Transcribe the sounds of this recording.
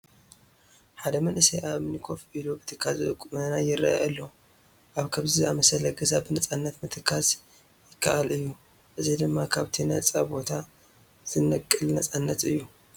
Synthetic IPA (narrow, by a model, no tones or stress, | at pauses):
ħad̪ɐmɐnʔɨsɐjʔaβmnikʰo̞fʔilubɨt̪ʰɨkʰːazɨkʼumɨnajɪɾa̰ʔʔalːo | ʔaβkʰɐβziamɐsɐlɐɡɐzabɨnɐt͡sʼanːɐt̪mɨt̪ʰɨkʰːas | jɪkːa̰ʔalʔɨjːu | ʔɨzid̪ɨmːakʰaβt̪ʰinɐt͡sʼabo̞t̪ʰa | z̥ɨnɐkʼːɨlnɐt͡sʼanːɐt̪ɨjːu